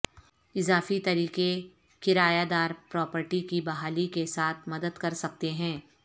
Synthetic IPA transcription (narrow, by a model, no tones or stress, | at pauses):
ɪzaːfit̪ɐɾiːqe | kɪɾaːjad̪aːɾpɾɔːpəɾʈikibɐɦaːlikesaːt̪ʰmɐd̪əd̪kɐɾsɐk̚t̪eɦɛ̃ː